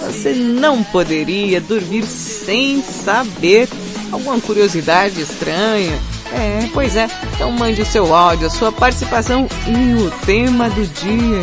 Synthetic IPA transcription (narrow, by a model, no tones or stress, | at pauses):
vosenɐ̃w̃pod̪eɾiɐd̪oɾmiɾ | sẽj̃sabeɾ | awɡũmɐkuɾiozid̪ad͡ʒɪest̪ɾɐ̃ɲɐ | ɛpojzɛẽt̪ɐ̃w̃mɐ̃nd͡ʒɪʊsewawd͡ʒʊɐsuɐpaɾt͡ʃi̥sipasɐ̃w̃ɪʊt̪ẽmɐd̪ʊd͡ʒiɐ